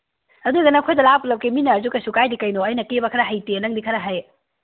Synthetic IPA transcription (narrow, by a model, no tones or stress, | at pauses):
ɐduɡɐnɐkʰojdɐlap̚ulɐwkiminɐɾzukɐsukajdikɐjnoɐjnɐkebɐkʰɐɾɐɦɐjtenɐŋdikʰɐɾɐɦaj